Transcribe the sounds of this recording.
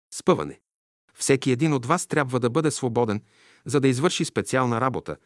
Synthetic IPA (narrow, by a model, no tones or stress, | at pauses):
spɤvɐ̰nɛ̰ | fsɛkiɛd̪inod̪vast̪ɾʲabvəd̪ɐbɤd̪ɛsvobɔd̪ɛn | zɐd̪ɐizvɤɾʃispɛt̪sialˠnəɾabot̪ə̰